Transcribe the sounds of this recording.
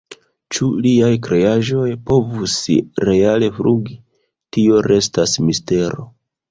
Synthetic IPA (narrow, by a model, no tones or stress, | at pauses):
t͡ʃuliajkɾe̞aʒo̞jpo̞vusɾe̞ale̞fɾuɡi | tio̞ɾe̞stasmiste̞ɾo̞̰